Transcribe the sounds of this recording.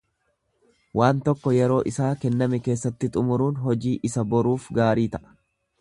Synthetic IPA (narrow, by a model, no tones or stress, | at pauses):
waːnt̪ɔkːɔjɛɾo̞ːʔɪsaːkɛnːɐmɛke̞ːsːɐt̪ːɪt̪ʼʊmʊɾuːnɦɔd͡ʒiːʔɪsɐbɔɾuːfɡaːɾiːt̪ɐʔɐ̥